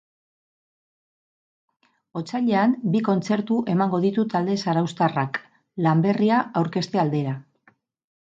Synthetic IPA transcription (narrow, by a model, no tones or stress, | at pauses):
o̞t͡saʎe̞ambiko̞nt͡se̞ɾt̪uʔe̞maŋɡo̞ðit̪ut̪ald̪e̞saɾawst̪arak | lambe̞riaawɾke̞st̪e̞ald̪e̞ɾa